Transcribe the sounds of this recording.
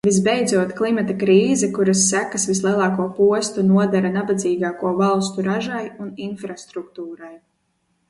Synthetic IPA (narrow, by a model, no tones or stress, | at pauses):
vizbɛjd̪zuɔt̪klˠimat̪akɾiːzɛkuɾasːækasvislˠiɛlˠɑːkuɔpuɔst̪unuɔd̪aɾanabad̪ziːɡaːkuɔvalˠst̪uɾaʒajuninfɾast̪ɾukt̪uːɾaj